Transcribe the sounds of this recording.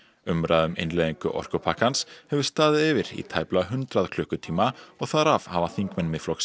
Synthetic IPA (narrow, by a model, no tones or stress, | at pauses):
ʏmɾaðʏmḛjnlɛðiŋkʏʔɔ̰r̥kʏpʰakanshɛvʏst̪aːðɪðɪvɪɾḭt̪ʰaːjplaɦʏnt̪ɾaðkʰlʏhkʏt̪ʰiːmaɔɣθaɾavhavaθiŋkmɛnːmɪð̥flɔks